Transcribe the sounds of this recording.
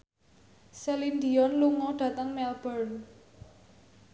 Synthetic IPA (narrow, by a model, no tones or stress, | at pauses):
selind̪iɔnluŋɔɖ̥ä̤t̪əŋmɛlb̥ərn